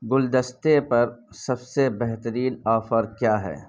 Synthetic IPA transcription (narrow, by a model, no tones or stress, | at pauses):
ɡʊld̪əst̪epɐɾsɐbsebɛɦt̪əɾiːnaːfəɾkjaːɦɛ̰ː